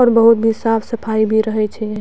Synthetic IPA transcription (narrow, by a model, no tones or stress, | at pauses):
ɔːɾbəɦʊt̪̚bʱisaːpʰsɐpʰaːibʱiɾəɦɛt͡ʃʰɛ